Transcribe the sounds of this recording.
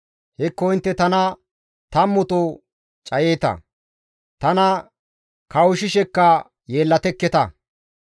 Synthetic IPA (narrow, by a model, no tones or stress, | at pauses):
hɪkːɔɪnt̪ːɛt̪ɐnɐ | t̪ɐmːʊt̪o | t͡ʃʼɐjeːt̪ɐ̰ | t̪ɐnɐ | kɐwʊʃɪʃɛkːɐ | je̞ːlːɐt̪ɛkːɛt̪ɐ